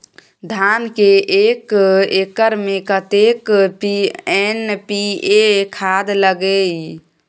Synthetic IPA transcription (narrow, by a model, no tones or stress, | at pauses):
d̪ʱankeʔekekəɾmekət̪ekpiɛnpiekʰad̪ləɡej